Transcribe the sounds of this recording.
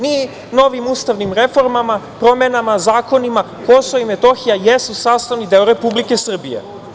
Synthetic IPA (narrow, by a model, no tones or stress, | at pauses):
ni | no̞ʋimust̪aʋnimɾefo̞ɾmamapɾomenamazaːko̞nima | kosoimet̪o̞xijajesusaːst̪aʋnid̪eoɾepublike̞sr̩bijḛ